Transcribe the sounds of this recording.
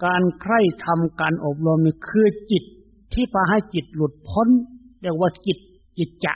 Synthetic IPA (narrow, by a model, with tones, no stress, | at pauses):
kaː˨nkʰɾa˧˩˨jt̪ʰa˧mkaː˨nʔo˨˧˩p̚lo˧mni˧kʰɯː˧t͡ɕi˨˩t̪ʰː | iː˧˥˨pʰaː˧ɦa˧˨jki˨˩t̪̚lu˧˩t̪̚pʰo˧˥˨nlɛ˧˩˨waː˧ki˨˩t̪̚ | t͡ɕi˨˧˩t̪̚t͡ɕa̰˧˨ʔ